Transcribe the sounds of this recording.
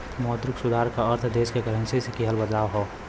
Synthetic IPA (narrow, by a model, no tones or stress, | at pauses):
mɔt̪ɾʊksʊd̪ʱaːɾkaəɾt̪ʰd̪eːskekəɾənsesekiɦəlbəd̪laːʋɦɔː